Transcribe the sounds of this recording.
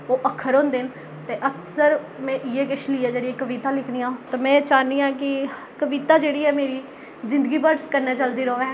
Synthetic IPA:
oːʔəkʰːəɾõnd̪ɪn | t̪eːʔəksəɾ | mɛ̃ːʔɪeːkɪʃliːɛːd͡ʒeːɽiːekːəʋit̪aːlɪkʰɽiːãːt̪aːmɛ̃ːt͡ʃaːniːãːk̬ɪ | kəʋiːt̪aːd͡ʒeːɽiːɛːmeːɾiː | zɪ̃nd̪əɡiːpəɖkəɾneːt͡ʃəld̪iːɾoːʋɛ̃ː

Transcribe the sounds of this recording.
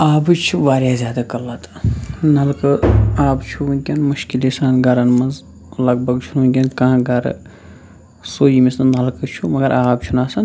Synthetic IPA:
aːbɨt͡ʃʰuʋaːɾʲjaːzʲjaːd̪akɐlːat̪ʰnɐlkɨaːbt͡ʃʰuʋunkʲɐnmuʃkilisaːnɡɐɾɐnmɐnz | lɐɡ̚bʱɐɡt͡ʃʰununkʲɐnkɐãɡɐɾ̰ | soːimisnɐlkɨt͡ʃʰumɐɡɐɾʔaːbt͡ʃʰunaːsɐn

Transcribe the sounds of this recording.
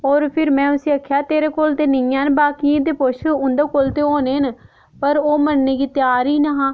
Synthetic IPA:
oːɾpʰɪɾmɛ̃ːʊsĩːəkʰːjaːt̪eːɾeːkoːlt̪eːnɪjãːnbaːkiẽːd̪eːpoʃuʊnd̪eːkoːlt̪eːoːneːn | pəɾoːmənneːkit̪jaːɾiːnəɦãː

